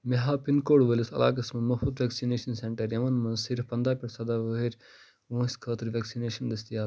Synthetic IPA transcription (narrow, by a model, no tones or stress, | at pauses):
meɦaːpinkoːɽʋəlʲisɐ̰lʔa̰ːkɐsmɐnmɐfud̪ʋeksineːʃɐnseɳʈɐɾjɐmɐnmɐnsiɾfpɐnd̪aːpʲiʈsɐd̪aːʋəɦeɾʲ | ʋõːsʲkʰɐːt̪ɨɾʋʲeksineːʃɐnd̪ɐst̪ijaː